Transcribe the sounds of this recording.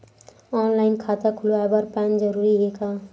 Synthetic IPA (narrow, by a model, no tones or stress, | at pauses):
ɔnlaɪnkʰat̪akʰuloabəɾpand͡ʒəɾuɾiɦeka